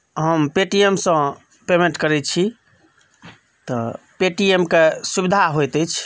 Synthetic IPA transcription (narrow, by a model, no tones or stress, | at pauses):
ɦəmpeʈiemsə̃ | pemẽʈkəɾɛt͡ʃʰi | t̪ɔ | peʈiemkesubid̪ʱaɦojt̪ɛjt͡ʃʰ